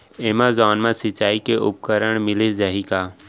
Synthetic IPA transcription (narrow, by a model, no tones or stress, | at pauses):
eːmãzɔːnmãsɪt͡ʃaːikeʔʊ̰p̚kəɾəɽ̃mɪled͡ʒaɦikaː